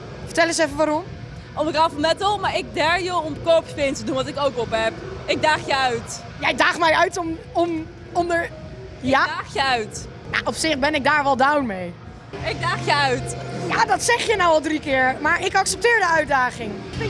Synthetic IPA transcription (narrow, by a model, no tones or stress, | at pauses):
fəɹtɛlənsɛfəʋaːɾɔm | ɔmkafəmɛtɔlˠmaːɹɪɡ̚daɹjəɔmdəkoːpsfɪːntədunʋɑtɪkowkɔpɦɛpɪɡ̚daːχjəœɥt | jaɪdaːχmɛjœɥtɔm | ɔm | ɔmdəɹ | jaχjəœɥt | ja̰ʔɔpsɪχbɛnɪɡ̚daːɹʋɛlˠdawnmej | ɪɡ̚daːχjəœɥtjaːdɑtsɛχjənawɑlˠdrikɪːɹmaːɹɪkɑksɛp̚tɪːɹdəœɥdaːχɪŋ